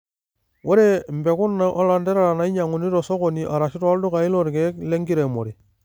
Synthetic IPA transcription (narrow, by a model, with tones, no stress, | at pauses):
wʔo˦ɾe˦m˨be˨ku˦nːa˨ʔo˦la˨nde˦ɾa˦ɾa˨na˨˦i˦ɲa˨ŋu˨ni˦ɾo˨so˦ko˨ni˨ʔa˨ɾa˨ʃi˦ɾa˦ldu˦ka˨i˦lo˦ɾke˦kle˦ŋɡi˦ɾe˨mo˨ɾi˨